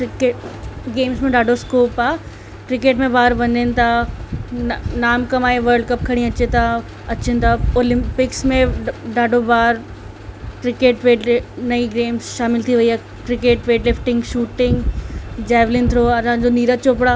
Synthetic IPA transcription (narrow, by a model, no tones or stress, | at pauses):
kɾɪkeːɡeːmsmẽɖaːɖʱoskoːpaː | kɾɪkeːʈmẽbaːɾʋɐ̃ɲd̪ənɪ̆t̪ʰa | naːmkɐmaːeʋəɾɖ̚kɐp̚kʰɐɽ̃ĩɐt͡ɕet̪ʰa | ɐt͡ɕənɪt̪ʰaoːlɪ̃mpɪksmẽɖaːɖʱobaːɾ | kɾɪkeːʈʋeːɖnɐiɡeːmsʃaːmɪlt̪ʰiʋɐiaː | kɾɪkeːʈʋeːʈlɪfʈɪ̃ŋɡʃuːʈɪ̃ŋɡd͡ʑaːʋlɪ̃nt̪ʰɾoɐsãːd͡ʑoniːɾət̪t͡ɕoːpɽaː